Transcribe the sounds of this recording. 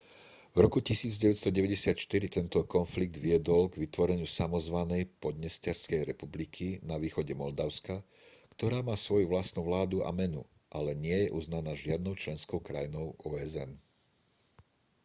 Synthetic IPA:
vɾɔkucisiːd͡zɟɛʋɛt̪st̪ɔɟɛʋɛɟɛsɪat̪ʃt̪iɾit̪ɛnt̪ɔkɔnfliɡ̚d̪ʋiɛd̪ɔlɡʋit̪ʋɔɾɛɲɪusamɔzʋanɛjpɔd̪ɲɛscɛɾskɛjɾɛpublikʰinaʋiːxɔɟɛmɔld̪aʊska | kt̪ɔɾaːmaːsʋɔjuʋlast̪nuʋlaːd̪uʔa̰mɛnṵ | ʔalɛɲɪɛjɛʔuznanaːʒɪad̪nɔʊt͡ʃlɛnskɔʊkɾa̰jinɔʊɔːɛzɛ̰n

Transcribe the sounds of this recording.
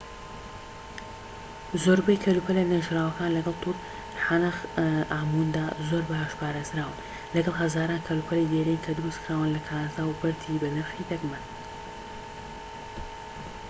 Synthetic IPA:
zoːɾbɐjkʰɐlupʰɐlenɐʒɾaːwɐkaːnlɐɡɐlˠt̪ʰuːt̪ | ħanaxʔaːmund̪aːzoɾbahaʃpʰaːɾeːzɾaːwɨn | lɐɡɐlˠɦɐzaːɾaːnkʰɐlupʰɐlejd̪eːɾejnkʰɐd̪uɾust̪kʰɾaːwɨnlɐkʰaːnazaːwbɐɾt̪ʰibɐnɐɾxid̪ɐɡmɐn

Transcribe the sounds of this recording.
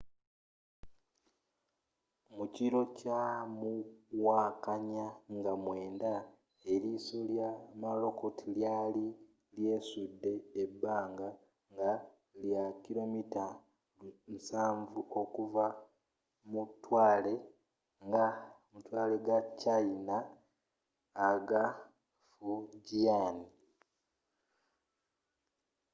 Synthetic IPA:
muciɾo̞camuwaːkaɲaŋɡamwe̞ːnda | e̞ɾisoljamalo̞ko̞tʰiljaːli | lje̞ːsudːe̞ːbːaːŋɡa | ŋɡa | ljakilo̞mita | nsaːɱvuʔo̞kuva | mutːwaːle̞ | ŋɡamutwaːle̞ɡat͡ʃːaina | ɡa | fuɟiani

